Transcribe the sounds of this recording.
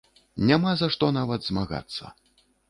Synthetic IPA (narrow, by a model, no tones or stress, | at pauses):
nʲamazaʂt̪ɔnavɐd̪zmaɣa̰t̪sːɐ̰